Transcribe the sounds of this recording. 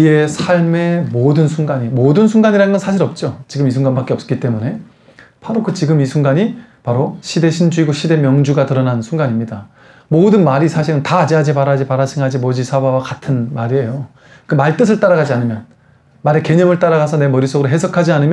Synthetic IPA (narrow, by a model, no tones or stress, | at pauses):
ie̞sʰaɭme̞modɯnsʰuŋɡaɲimodɯnsʰuŋɡaɲiɾanɡʌnsʰaɕʰiɾʌp̚t͡ɕ͈ot͡ɕiɡɯmisʰuŋɡanbak͈eʌps͈ʌ̥k͈it͈e̞mune̞ | pʰaɾokɯt͡ɕiɡɯmisʰuŋɡaɲipaɾoɕʰide̞ɕʰind͡ʑuiɡoɕʰide̞mjʌŋd͡ʑuɡatɯɾʌnansʰuŋɡaɲimɲida | modɯnmaɾisʰaɕʰiɾɯntaːd͡ʑiad͡ʑipaɾad͡ʑipaɾat͡ɕʰiŋɦad͡ʑimod͡ʑisʰawawakatʰɯnmaɾie̞jo | kɯmaɭt͈ɯs̬ʰɯɭt͈aɾaɡad͡ʑianɯmjʌn | maɾeke̞ɲʌmɯɭt͈aɾaɣasʰʌne̞mʌɾis͈ʰoɡɯɾoɦe̞sʰʌkʰad͡ʑianɯmj